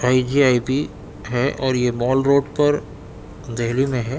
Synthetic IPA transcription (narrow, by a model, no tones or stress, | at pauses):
aːid͡ʒiaːipi | ɦɛʔɔːɾjemɔːlɾoːɖpɐɾ | d̪ɛɦlimẽɦɛː